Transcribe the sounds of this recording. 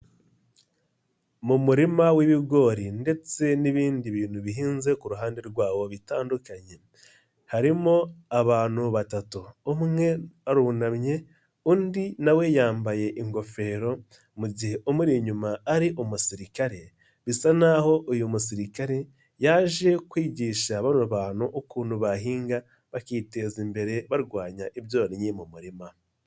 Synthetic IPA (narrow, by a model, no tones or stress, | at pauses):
mumuɾimawiβiɡo̞ɾinde̞t͡se̞niβiːndiβiːn̤uβiɦiːnze̞kuɾuɦaːnde̞ɾɡwaːwo̞βitaːndukaɲe̞ | haɾimo̞aβaːn̥huβatatuːmŋe̞aɾuβunamɲe̞ | undinawe̞jaːmbaje̞ʔiŋɡo̞fe̞ɾo̞ | muɟihe̞ʔumuɾiɲumaːɾiʔomusiɾikaɾe̞ | βisanaho̞ʔujumusiɾikaɾe̞ | jaʒe̞kwiːɟiːʃaβanoβaːnuʔokuːnuβaɦiːŋɡa | βakiːte̞zimbe̞ɾe̞βaɾɡwaːɲaʔiβjo̞ːɾiɲimumuɾima